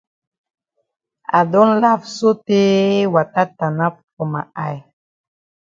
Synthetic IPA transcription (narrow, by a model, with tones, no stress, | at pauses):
a̰˨do˦nla˦fso˦te˦wa˨ta˦ta˨na˦fkɔ˨ma̰˨a˦˨j